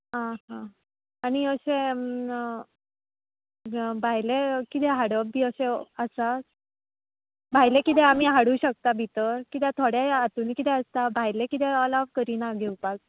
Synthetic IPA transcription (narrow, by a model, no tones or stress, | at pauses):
ɦãɦã | aɽ̃iəɕẽ | bʱajlekit̪ɛɦaɽəbːiːəɕeəsa | bʱajlekit̪ɛam̤iːɦaɽuːɕək̚t̪abʱit̪əkit̪jɛt̪ʰoɽjaat̪unikit̪ɛəst̪abʱajlekit̪ɛɔlɔʋkəɾiːnaɡʱeupak̚